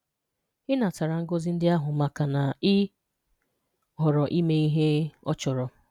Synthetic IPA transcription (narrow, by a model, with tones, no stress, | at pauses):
ɪ˦na˨ta˨ɾa˨ŋ̩˦ɡo˦zi˦n̩˦dɪ˦a˦ɦʊ˨ma˨ka˨na˨ɪ˦ | ɦɔ˨ɾɔ˨ʔi˦me˦i˦ɦe˦ɔ̰˦t͡ʃɔ˨ɾɔ˨